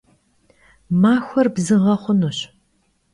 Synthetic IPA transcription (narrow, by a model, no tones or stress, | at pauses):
maːxʷɔrbzɨʁɐχʷʊnuɕ